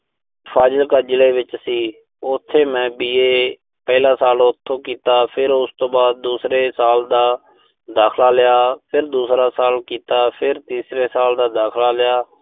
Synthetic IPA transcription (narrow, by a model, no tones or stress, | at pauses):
pʰaːd͡ʒəlkaːd͡ʒɪleːʋɪt͡ʃəsĩː | ʊt̪ʰːeːmɛ̃ːbiːeː | pɛːɪlãːsaːlʊt̪ʰːõːkiːt̪aːpʰɪɾʊst̪õːbaːd̪̚ːuːsɾeːsaːld̪aː | d̪aːkʰlaːlɪjaːpʰɪɾd̪uːsɾaːsaːlkiːt̪aːpʰɪɾt̪iːsɾeːsaːld̪aːd̪aːkʰlaːlɪjaː